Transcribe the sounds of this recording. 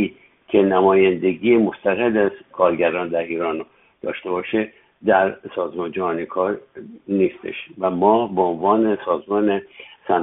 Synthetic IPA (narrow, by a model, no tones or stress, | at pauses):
iːd̪ | cʲʰe̞næmɒːjænd̪e̞ɡiːjemo̞st̪ʰæɣed̪æzkʰɒːɾɟæɾɒːnd̪æɾiːɾɒːn | d̪̥ɒ̰ːʃt̪e̞bɒːʃe | d̪æɾsɒːzmɒnd͡ʒæhɒːnikʰɒːɾniːst̪ḛʃvæmɒːbeonvɒːne̞sɒːzmɒːnesæn